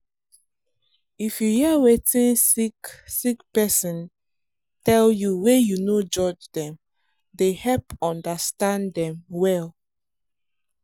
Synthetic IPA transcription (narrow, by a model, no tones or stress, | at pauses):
ifjuhiəwetĩnsiksikpɛsĩn | tɛljuwejunod͡ʒɔd͡ʒdɛ̃m | dehɛlpɔ̃ndastãndɛ̃mwɛl